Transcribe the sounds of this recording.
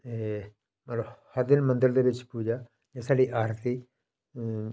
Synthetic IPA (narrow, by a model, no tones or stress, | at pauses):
e | mələbhəɾd̪ɪnmə̃nd̪ɪəld̪eːbɪt͡ʃpuːd͡ʒaː | d͡ʒɛːsaːliːʔaːɾt̪iː